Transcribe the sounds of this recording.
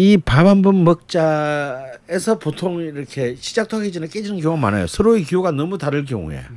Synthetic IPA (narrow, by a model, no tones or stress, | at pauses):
ipabanbɯnmʌk̚t͡ɕ͈a | esʰʌpotʰoŋiɾʌkʰe̞ɕʰi̥d͡ʑak̚tʰoɡʰid͡ʑinɯɭk͈ed͡ʑinɯnk̬jʌŋuɡama̰na̰jo̰sʰʌɾoekijoɡanʌmutaɾɯɭk̬jʌ̰ŋṵḛ